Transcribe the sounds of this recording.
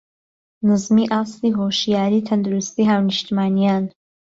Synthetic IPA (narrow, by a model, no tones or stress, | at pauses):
nɨzmiʔaːst̪iɦoːʃijaːɾiːt̪ʰɐnd̪uɾust̪iːɦaːwnɨʃt̪imaːnijaːn